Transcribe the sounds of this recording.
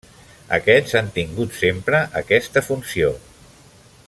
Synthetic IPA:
ə̰kɛzant̪iŋɡut̪sempɾəʔəkɛst̪əfunsio

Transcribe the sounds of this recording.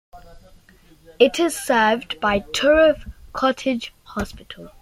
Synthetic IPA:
ɪtʰɪz̥sɜːvdbaɪtʰɔɹɪfkʰɔtʰɪ̥d͡ʒ̥hɔspɪtʰəlˠ

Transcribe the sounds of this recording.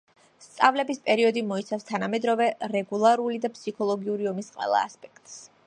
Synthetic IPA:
st̪sʼavlɛbispʼɛɾiɔd̪imɔit̪sʰafst̪ʰanamɛd̪ɾɔvɛɾɛɡulˠaɾulid̪apʰsikʰɔlˠɔɡiuɾiɔmisqʼɛ̰lˠa̰ːspʼɛ̥kt̪ʼs

